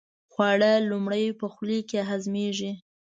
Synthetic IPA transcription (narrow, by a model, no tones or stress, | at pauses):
xwɑɽəlumɽəjpəxlikeɦazmeʒi